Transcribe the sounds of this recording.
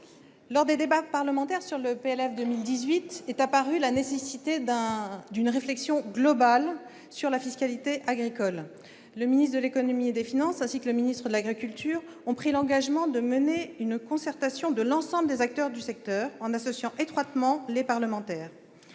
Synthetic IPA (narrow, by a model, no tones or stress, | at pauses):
lɔʁd̪ed̪ebapaʁləmɑ̃t̪ɛʁsyʁləpeɛlɛfd̪əmild̪izɥit̪ɛt̪apaʁylanesesit̪eɛ̃d̪ynʁeflɛksjɔ̃ɡlɔbal | syʁlafiskalit̪eʔaɡʁikɔlː | əminist̪d̪əlekɔnɔmied̪efinɑ̃sɛ̃sikələminist̪χəd̪əlaɡʁikʲylt̪yːʁ | ɔ̃pχilɑ̃ɡaʒmɑ̃d̪əməneynkɔ̃sɛʁt̪asjɔ̃d̪əlɑ̃sɑ̃bləd̪ezak̚t̪œʁd̪ysɛk̚t̪œːʁɑ̃nasɔsjɑ̃ʔet̪χwat̪mɑ̃lepaʁləmɑ̃t̪ɛːʁ